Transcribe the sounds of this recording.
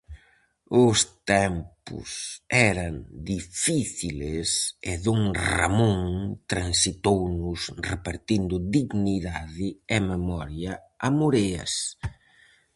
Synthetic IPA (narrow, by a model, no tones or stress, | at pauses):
ʊst̪ɛmpʊ̰sɛɾɐnd̪ifiθilɪsɪðuŋra̰mõŋt̪ɾansit̪ownʊsrepaɾt̪ind̪ʊd̪iɣniðaðɪememɔɾjɐ | amuɾeɐ̰s